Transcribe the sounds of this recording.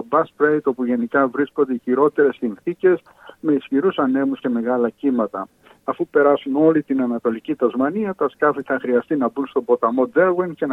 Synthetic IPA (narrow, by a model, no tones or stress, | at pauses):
obɐspɾejt̪o̞puʝe̞nikɐvɾiskond̪e̞içiɾo̞t̪e̞ɾe̞sinθice̞s | me̞isçiɾusɐne̞musce̞me̞ɣɐlɐcimɐt̪ɐː | fupe̞ɾɐsuno̞lit̪inɐnɐt̪o̞licit̪ɐzmɐniɐt̪ɐskɐfiθɐxɾiɐst̪inɐbunst̪obo̞t̪ɐmo̞d̪eɾwiŋce̞n